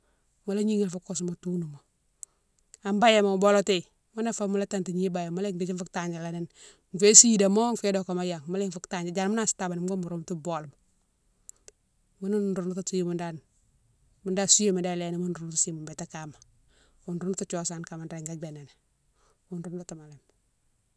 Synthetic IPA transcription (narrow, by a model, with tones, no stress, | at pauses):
ma˨la˦ɲi˦ŋe˨lfo˦ko˦s̬ma˨tu˦nu˨mo˨ | a˨mba˦ja˦˨ma˨bo˦lo˦te˨ | ma˦na˦fa˦mu˦la˦ta˦nta˨ɲi˦ba˨ja˨ma˦le˦ŋdi˦d͡ʒi˦fu˦k̚ta˨ɲd͡ʒa˨la˨ni˦n | m˨fe˦si˦da˨mo˦ŋfe˦do˨ka˨ma˦ja˨ŋma˦le˦ŋfu˦kta˨ɲa˨d͡ʒa˨ɾmu˦na˦˨sta˨ba˨ni˨mka˦mu˨ɾo˦mtu˦bo˨lm | mu˦nu˦du˨nu˦tu˦si˦mu˨nda˦n | mu˦nda˦su˦je˦me˨da˦le˦ni˨mu˦nɾu˨n˦tu˦si˦mu˨mbe˨ta˦ka˨ma˨ | u˨nɾu˦nu˦tu˦t͡ʃo˨sa˨nka˨ma˨nɾe˨ŋɡa˦ɡ͡be˨ne˨n | mu˦nɾu˨n˦ta˦ta˨ma˨le˨m